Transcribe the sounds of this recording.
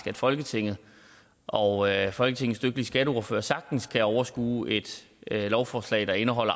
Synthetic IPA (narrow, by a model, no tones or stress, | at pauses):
ɡ̥æd̥fɒ̽lɡ̥ət͡sʰe̝ŋ̰ð̞̩ˠ | ʔɒ̽fɒ̽lɡ̥ət͡sʰe̝ŋð̩sd̥øɡ̥d̥əlisɡ̥æɾəoɐfø̰ːɐsɑ̈ɡ̥̚d̥n̩skʰæɒʊɐsɡ̥ṵːʔe̝d̥ | lɒʊfɒːslɛ̰ɪd̥ɑ̈e̝nəɦɒ̽l̰ɐ